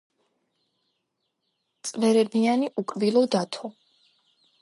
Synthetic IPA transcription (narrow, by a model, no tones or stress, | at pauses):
t̪sʼvɛɾɛbianiʔukʼvilˠɔd̪at̪ʰɔ